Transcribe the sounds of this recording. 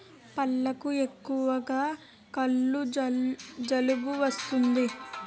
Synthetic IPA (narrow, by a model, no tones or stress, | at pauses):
pɐlːɐkuekːuʋɐɡaː | kɐlːu | d͡ʒɐlubuʋɐst̪und̪i